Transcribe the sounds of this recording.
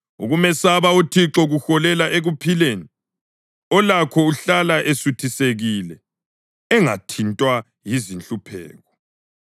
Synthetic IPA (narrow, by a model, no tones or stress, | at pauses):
uɣumɛsaβautʰiǁɔɣuxɔlɛlaʔeɣupʰileːni | ɔlakʰɔuɬalaʔesutʰiseɣilɛ | ɛŋa̰tʰintʼwa | jizinɬʼupʰɛ̰ːɣɔ